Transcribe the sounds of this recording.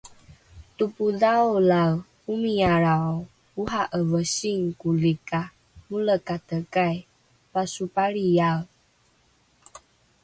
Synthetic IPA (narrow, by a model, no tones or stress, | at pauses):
tupudawlaw | umiaɾao | uɦaʔəvəsiŋkulika | muləkatəkaj | pasupaɾiaw